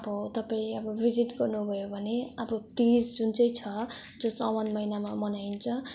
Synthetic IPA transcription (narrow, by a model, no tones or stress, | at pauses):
ʌbʌt̪ʌpaĩleʌbʌbʱid͡ziʈɡʌrnubʱʌjobʱʌneʌbʌt̪isd͡zunt͡sʌjt͡sʰʌd͡zosʌwʌnmʌjnamamʌnaint͡sʰʌ